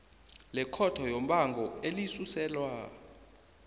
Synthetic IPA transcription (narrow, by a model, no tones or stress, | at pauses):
lɛkʰɔtʰɔjom̩ɓaŋɡʱɔelisusɛːlwa